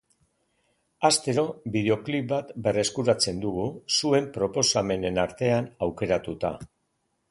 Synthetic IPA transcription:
ast̪e̞ɾo̞biðe̞o̞klip̚bat̪be̞re̞skuɾat͡se̞nd̪uɣusue̞mpɾo̞po̞same̞ne̞naɾt̪e̞anawke̞ɾat̪ut̪a̰

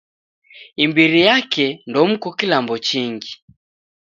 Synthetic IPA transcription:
imbiɾijakɛndɔm̩kɔkilambɔt͡ʃiŋɡi

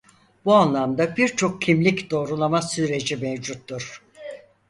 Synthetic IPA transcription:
b̥uanlˠamd̪abiɾt͡ʃʰo̞k̚cʰimlʲicd̪o̞ːɾulˠamasyɾe̞d͡ʒimevd͡ʒut̪ːuɾ̥

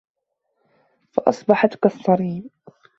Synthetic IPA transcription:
fɑʔɑsˤbɑħat̪kɑsˤːɑɾiːn

